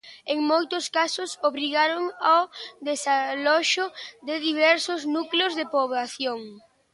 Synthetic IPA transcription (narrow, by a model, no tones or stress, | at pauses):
eŋmojt̪ʊskasʊsoβɾiɣaɾoŋawðesalɔʃʊd̪ɪðiβɛɾsʊznukleozðepoβlaθjoŋ